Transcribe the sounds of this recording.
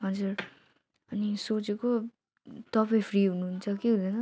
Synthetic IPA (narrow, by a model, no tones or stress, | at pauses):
ɦʌd͡zuɾ | ʌnisot͡seko | t̪ʌpʌĩpʰriɦunuɦunt͡sʰʌkeɦũd̪enʌ